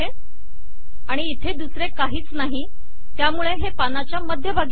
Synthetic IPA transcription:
e | aɽ̃iːt̪ʰed̪usɾekaɦiːt͡snaɦi | t̪jamuɭeɦepanat͡ɕjaməd̪ʱjəbʱaɡ

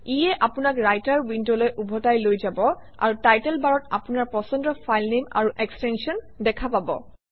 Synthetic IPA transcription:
ijɛʔapʊnakɹajtaɹwindolojʔubʱɔtajlojzabɔ | a̰ɹutajtɛlbaɹɔta̰punaɹpɔsɔndɔfʰajlnema̰ɹuʔɛkstɛnsiɔn | dɛkʰapabɔ̰

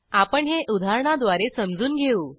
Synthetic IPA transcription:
apəɳɦeʔud̪ʱaɾɳ̃ad̪ʋaɾesəmd͡zuːnɡʱeuː

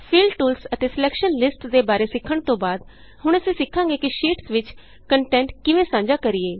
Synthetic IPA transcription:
pʰiːlɖʈuːlsət̪eːsɪlɛːkʃənlɪsʈd̪eːbaːɾeːsɪkʰːəɳt̪õːbaːd̪ | ɦʊɳ̃əsĩːsɪkʰːãːɡeːkɪʃiːʈsʋɪt͡ʃ | kəɳʈɛ̃ːɳʈkɪʋẽːsãːɲd͡ʒaːkəɾiːeː

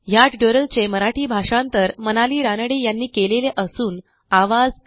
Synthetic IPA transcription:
jaʈ̪ɖjoɾəlt͡seməɾaʈiːbʱaʂãnt̪əɾmənaliːɾanəɽejanːiːkeleleʔəsuːn | aʋad͡z

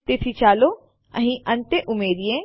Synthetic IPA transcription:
t̪ɪt̪ʰit͡ʃaːlo | ɐ̰ɦĩʔɐ̃nt̪eʔʊmeːɾijẽ

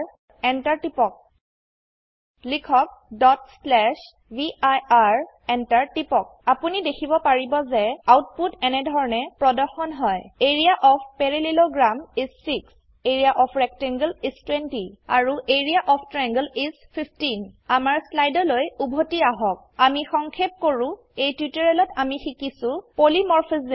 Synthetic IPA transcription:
ɛntaɹtipɔk̚ | likʰɔk̚dɔt̚slɛʃ | biajaɹ | ɛntaɹtipɔk̚apunidekʰibɔpaɹibɔzɛawt̚putɛnɛdʱɔɹɔnɛpɹɔdɔɹxɔnɦɔjeɹijaʔɔpʰpɛɹililoɡɹamisːiks | eɹiaʔɔpʰɹɛk̚tɛŋɡlistwentia̰ɹuʔeɹiaʔɔpʰtɹɛŋɡəlispʰipʰtinamaɹslajdɔlojubʱotiaɦɔk̚amixɔŋkʰep̚koɹʊ̃ | ejtwitɔɹɛlɔtamixikisʊ̃polimɔɹfʰiz

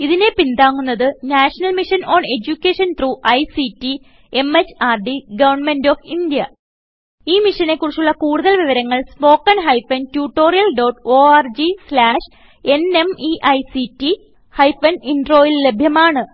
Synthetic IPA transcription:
iðine̞pind̪aːŋːunːɐðɨnaːʂɐnɐlmiʂɐno̞ːɳe̞d͡ʑukʲːeːʂɐnt̪ruːʔɐjsitːi | e̞met͡ɕːaːrɖiɡɐʋɐrɳme̞ndo̞ːfind̪jɐ | iːmiʂɐne̞kːurit͡ɕːuɭːɐkuːɽuðɐlʋiʋɐɾɐŋːɐɭspo̞ːkːɐnɦɐjfɐntjuːʈːo̞ːrijɐlɖo̞ːʈːoːaːrd͡ʑislaːʂ | e̞ne̞miʔɐjsiti | hɐjfɐniɳɖro̞ːjillːe̞bʱjɐmaːɳɨ

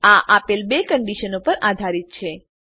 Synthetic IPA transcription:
aʔapelbekəɳɖiʃənopəɾad̪ʱaɾit̪̚t͡ʃʰe

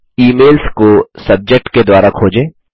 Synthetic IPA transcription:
iːmeːlskosɐb̚d͡ʒek̚ʈked̪waːɾakʰoːd͡ʒẽː

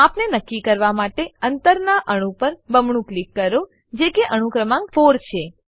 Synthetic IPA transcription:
apnenəkːikəɾʋamaʈeənt̪əɾnaʔəɽ̃ũpəɾbəmɳũklikːəɾo | d͡ʒekeʔəɽ̃ũkɾəmãŋɡfoɾt͡ʃʰe

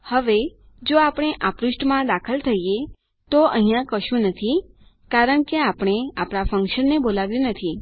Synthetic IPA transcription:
həʋe | d͡ʒoapɽ̃eʔapɾuʃʈmãd̪akʰəlt̪ʰəije | t̪oəɦĩjãkəʃũnət̪ʰikaɾəɳkeapɽ̃eapɳ̃afəŋkʃənːebolaʋjũnət̪ʰi

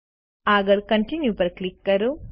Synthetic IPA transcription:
aːɡɐlkɐ̃ɳʈinjupɐɾklikːɐɾu

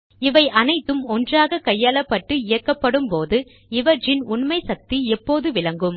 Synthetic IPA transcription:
ɪʋɐɪʔɐnɐɪt̪ːɯmɔndraːɣɐkɐjːaːlɐpːɐʈːɯɪjɐkːɐpːɐɽɯmpoːðɯ | ɪʋɐɪnʊɳmɐɪsɐk̚t̪iɛpːoːðɯʋɪlɐŋɡɯm

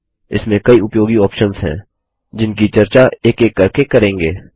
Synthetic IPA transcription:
ɪ̰smẽkɐiʊpjoːɡiɔːpʃənzɦɛ̰̃ː | d͡ʒɪnkit͡ʃɐɾt͡ʃaeːkeːkːɐɾkekɐɾẽːŋɡeː

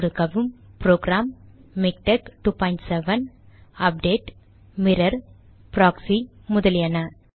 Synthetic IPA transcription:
ɾɯkɐʋɯmpɾoːɡɾaːmːɪk̚ʈekʈuːpɔːɪ̃ɳʈsɛʋɐnɐp̚ɖeːʈ | mɪɾɐɾ | pɾaːksi | mʊðɐlɪjɐnɐ

